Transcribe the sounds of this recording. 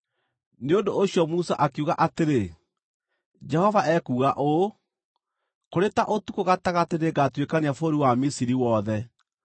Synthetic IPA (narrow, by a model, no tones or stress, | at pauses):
neondoːɕjɔmusa̰ʔakeuɣaʔateɾe | d͡ʒɛhɔvaʔɛkuːɣaʔo | koɾetaʔotukoɣataɣateɾeɡatwekaneafoɾiwamisiɾiwɔðɛ